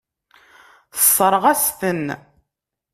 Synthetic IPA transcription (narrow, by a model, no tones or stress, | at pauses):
θə̥sˤːəɾˤəʁæsθən